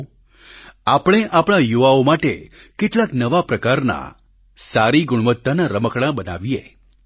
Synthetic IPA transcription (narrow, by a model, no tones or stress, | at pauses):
apɽ̃eʔapɽ̃ajuʋaomaʈe | keʈlaknəʋapɾəkaɾna̰ | saɾiɡʊɽ̃ʋət̪ːanaɾəməkɽ̃ãbəna̰ʋiḛ